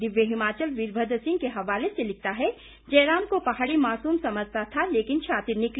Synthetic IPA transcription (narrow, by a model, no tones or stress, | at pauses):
d̪ɪʋjəɦɪmaːt͡ʃəlʋiːɾbʱəd̪əsɪ̃ŋkeɦɐʋaːleselɪk̚ʰt̪aɦɛ | d͡ʒɛːɾaːmkopɐɦaːɽimaːsuːmsɐməd͡ʒʱt̪at̪ʰaleːkɪnʃʰaːt̪ɪɾnɪkl